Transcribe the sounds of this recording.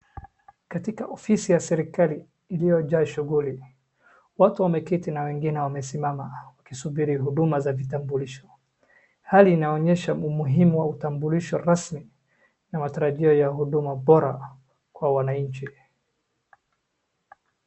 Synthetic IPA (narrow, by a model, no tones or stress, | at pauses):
katikaʔɔfisijasɛɾikaliː | lijɔʄaːʃuɣuli | watuwamɛkitinawɛŋɡinɛwamɛsimamawakisuɓiɾiɦuɗumazavitambuliʃɔ̥ | haliːnaɔɲɛʃaumuɦimuwautambuliʃɔɾasmi | namataɾaʄiɔjahuɗumaɓɔɾa̰ | kwawanaɲ̩t͡ʃi